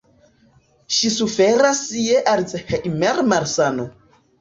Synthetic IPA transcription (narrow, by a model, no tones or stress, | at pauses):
ʃisufɛɾasijɛʔaɾit͡sɛxaʔimɛɾmaɾsano